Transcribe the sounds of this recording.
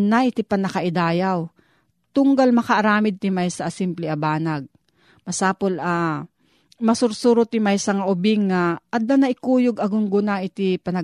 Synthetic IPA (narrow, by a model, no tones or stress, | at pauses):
naɪt̪ipɐnɐkaʔɪd̪aːjaw | t̪ʊŋɡalmɐkɐʔːɾaːmɪd̪̚t̪ɪmajsɐsɪmplɛʔabaːnaɡ̚ | mɐsaːpola | mɐsʊɾsuɾʊt̪ɪmajsɐŋaʔʊbɪŋːaɐt̪̚nɐnɐʔɪkuːjʊɡɐɡʊŋɡʊnaʔɪt̪ipɐnɐ